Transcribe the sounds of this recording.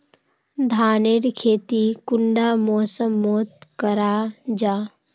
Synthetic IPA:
d̪ʱaːneːɾkʰeːt̪ikʊɳɖaːmoːsəmːoːt̪kəɾaːd͡ʒaː

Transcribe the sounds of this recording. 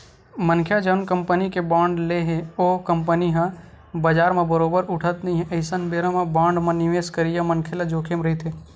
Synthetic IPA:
mənkʰjad͡ʒənkəmpənikebaːɳɖleɦeokəmpəniɦã | bəd͡ʒaːɾmẽbəɾoːbəɾʊʈʰət̪nəĩɦɛʔəɪsənbeɾãmebãːɳɖmãniʋeːskəɾijamənkʰelad͡ʒoːkʰemɾəɦit̪ɦe

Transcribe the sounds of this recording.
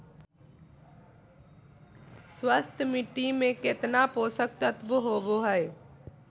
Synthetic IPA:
swəst̪ʰmɪʈːimẽkɪt̪napoːsək̚t̪ət̪bəɦoːboɦɛj

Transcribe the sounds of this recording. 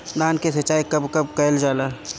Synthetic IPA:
daːnkesɐt͡ʃːaːikɐbkɐbkɐld͡ʒaːlaː

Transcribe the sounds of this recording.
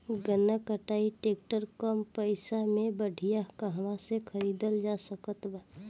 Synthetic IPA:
ɡənəkəʈaːiʈeːk̚ʈəɾkɔmpəɪsamẽbəɖʱijaɦkaɦəmãsekʰəɾiːd̪əld͡ʒaːsəkət̪ba

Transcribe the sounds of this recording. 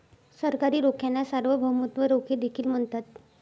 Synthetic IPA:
səɾkaɾiːɾokʰjanasaɾʋəbʱəmut̪ʋəɾokʰeːd̪ekʰiːlm̤əɳt̪at̪

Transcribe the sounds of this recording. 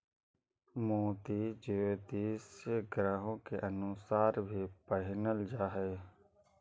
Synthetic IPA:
moːt̪iːd͡ʒeːod̪iːseɡɾaːɦõːkeʔənʊsaːɾbʱiːpəɦɪnəld͡ʒaːɦeː

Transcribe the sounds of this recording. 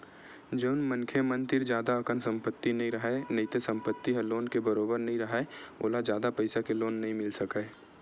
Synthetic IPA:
d͡ʒəʊnmənkʰjemə̃nt̪ɪɾd͡ʒjaːd̪aɐkənsə̃mpət̪ːinɐɦĩɾɐɦenɐit̪esə̃mpət̪ːiɦɐloːnkebəɾoːbəɾnɐɦĩɾɐɦeo̰ːlad͡ʒjaːd̪apəɪsakeloːnːɐɦĩmɪlsəke

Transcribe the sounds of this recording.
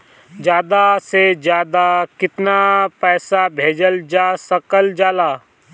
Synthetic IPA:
d͡ʒjaːd̪ased͡ʒjaːd̪akɪt̪napɛːsabʱeːd͡ʒəld͡ʒaːsəkəld͡ʒaːlaː

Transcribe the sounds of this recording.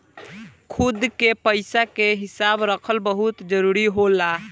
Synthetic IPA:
kʰud̪kepəɪjsakeɦisabɾəkʰəlbəɦut̪d͡ʒəɾuɾiɦola

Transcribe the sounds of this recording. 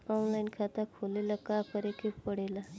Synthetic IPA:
ɔnlajnkʰat̪akʰolelakapəɾekippəɽela

